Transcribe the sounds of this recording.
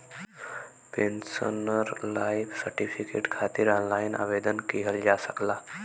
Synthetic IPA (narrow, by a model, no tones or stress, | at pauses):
pensənəɾlaːipʰsəɾʈipʰikḛːʈkʰaːt̪iɾɔnlaːinʔa̰ːʋed̪ənkiɦəld͡ʒasəklaː